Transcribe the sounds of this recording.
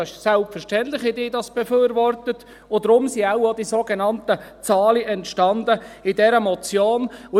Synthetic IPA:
ɪʃsɛlpfɛɾʃtɛntlɪχhɪdɪːdɑsb̥ɛfyːɾvɔrtətː | dɾʊmsiawod̪isoɡenɑntət͡sɑːliʔɛntʃtɑndəɪdɛɾəmɔt͡sjoːnʊ

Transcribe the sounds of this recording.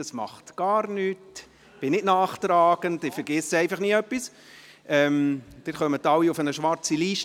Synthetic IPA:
dɑsmɑ̰χtɡ̥ɑːɾnyːt | b̥ɪnɪtnaːχt̪ɾaːɡ̥əndɪfɛɾɡ̥ɪsɛɪfɑχniːəœpːis | ʔɛmd̥ɪtχœmətːɑwiufənəʃʋɑɾt͡siliːʃt

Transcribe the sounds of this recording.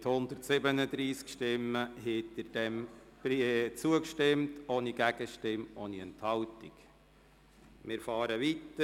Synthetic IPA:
ɪt̪hʊnd̪əɾtsɪbənəd̪ɾiːskʃtɪmːəɦet̪əɾd̥ɛmb̥it͡suəkʃtɪmtoːniɡ̥æɡ̥əʃtɪmʔoːniɛnt̪hɑltik | mɪːɾfɑːɾəʋit̪ə

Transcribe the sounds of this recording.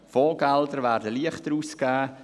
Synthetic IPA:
fɔːɡɛldəɾvæːɾdəliəχtəɾuːskaː

